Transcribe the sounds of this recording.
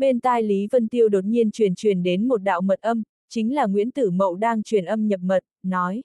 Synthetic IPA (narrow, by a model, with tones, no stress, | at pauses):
ɓe˧nt̪aː˧jli˨˦və˧nt̪i˧əwɗo˨˩t̚ɲi˧ənt͡ɕwi˧˩ənt͡ɕwi˧˩ənɗe˨˦nmo˨˩t̚ɗa̰ː˧˨wmə˨˩t̚ʔə˧m | t͡ɕï˨˦ŋ̟laː˨˩ŋwḭ˧˥ənt̪ɨ˧˩mə̰˧˨wɗaː˧ŋt͡ɕwi˧˩ənʔə˧mɲə˨˩p̚mə˨˩t̚nɔ˨˦j